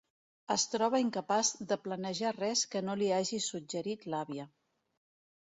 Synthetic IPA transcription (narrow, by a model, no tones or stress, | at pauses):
əst̪ɾɔβ̞əiŋkəpazðəplənəʒarɛskənoliaʒisud͡ʒəɾit̪laβiə